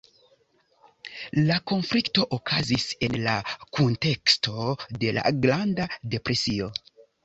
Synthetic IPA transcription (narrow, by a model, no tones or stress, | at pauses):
lako̞nflikto̞ʔokʰazise̞nlakunte̞kstʰo̞de̞la̰ɡɾandade̞pɾe̞sio̞